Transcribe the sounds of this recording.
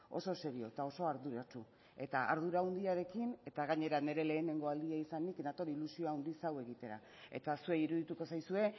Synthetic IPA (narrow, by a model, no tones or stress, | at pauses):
o̞̰so̞se̞ɾio̞et̪ao̞so̞aɾðuɾat͡ʃu | e̞t̪aʔa̰ɾð̞uɾaund̪iaɾe̞kine̞t̪aɣaɲe̞ɾane̞ɾe̞le̞ːne̞ŋɡo̞ald̪iaisaniknat̪o̞ɾilusioaund̪isawe̞ɣit̪e̞ɾa̰ | e̞̰t̪asue̞iɾuðit̪uko̞sajsue̞